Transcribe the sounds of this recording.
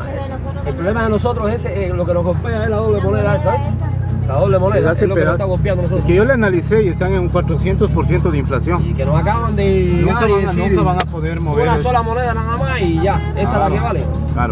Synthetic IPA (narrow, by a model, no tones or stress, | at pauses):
elpɾoβlemaðeno̞so̞t̪ɾoseseelo̞kenoɦɣo̞lpeaehlaðoβlemo̞neðaeselaðoβlemo̞neðaaseloeet̪aɣo̞lpjand̪onosotokeʝoleanaliθeiest̪aŋeŋuŋkwat̪ɾoθjent̪ospoɾθje̞nt̪oðeiɱflasjoŋikenosakaβand̪enoaiesooβaŋapoðeɾmoβeɾnaso̞lamoneðanaðamasiʝa | est̪alariβale | ka̰ɾo